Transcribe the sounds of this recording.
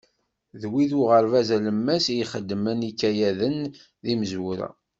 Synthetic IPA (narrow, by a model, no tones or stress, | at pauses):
ðwiðʊʁəɾvæzæləmːæsiχəd̪ːmænikːæjæðən | ðiməzwuɾæ̰